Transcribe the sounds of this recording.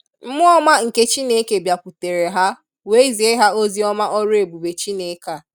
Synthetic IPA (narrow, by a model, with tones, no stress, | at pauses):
m̩˦mʊ˦ɔ˦ma˦ŋ̩˨ke˦t͡ʃi˦ne˦ke˨bja˨pu˨te˨ɾe˨ɦa˦ | we˦i˦zi˨e˦ɦa˦o˦zi˦ɔ˦ma˦ʔɔ˦ɾʊ˦e˨bu˨be˨t͡ʃi˦ne˨˦ka˦˨